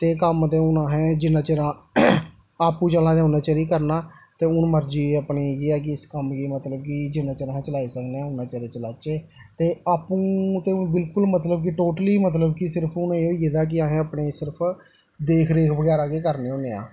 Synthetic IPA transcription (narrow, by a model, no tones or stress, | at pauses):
t̪eːkəmt̪eːʊnãːɦɛːd͡ʒɪnãːt͡ʃəɾãː | aːpũːt͡ʃəlãːd̪eːʊnãːt͡ʃaːɾiːkəɾnaːt̪eːʊnməɾd͡ʒiːəpniːɡeːɛːk̬ɪɪskəmkiːmət̪ləbkɪd͡ʒɪnãːt͡ʃəɾãːt͡ʃəlaːiːsəkneaːʊnãːt͡ʃaɾeːt͡ʃəlaːt͡ʃeːt̪eːaːpũːt̪eːʊbɪlkʊlmət̪ləbk̬ɪʈoːʈəliːmət̪̬ləbkɪsɪɾpʰʊnːeːoːiːɡed̪aːk̬ɪaːɦẽːəpɳeːsɪɾəpʰ | d̪eːkʰɾeːkʰbəɡɛːɾaːɡeːkəɾneːoːneːã̰ː